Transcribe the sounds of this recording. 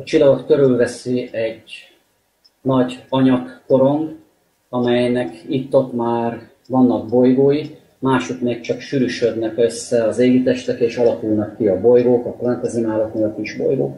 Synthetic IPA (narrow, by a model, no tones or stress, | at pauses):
t͡ʃilːɒɡok̪køɾylvɛsiɛɟ | nɒɟɒɲɒkːo̞ɾo̞ŋɡ | ɒmɛjnɛkit̪ːo̞t̪maːr | vɒnːɒɡ̚bo̞jɡoːji | maːʃut̪meːk̚t͡ʃɒkʃyɾyʃød̪nɛkø̞sːɛɒzeːɡit̪ɛʃt̪ɛkeːʃɒlɒkulnɒkːiɒbo̞jɡoːkɒklɛnt̪ɛzinaːlɒk̪neːlɒkiʒbo̞̰jɡo̰ːk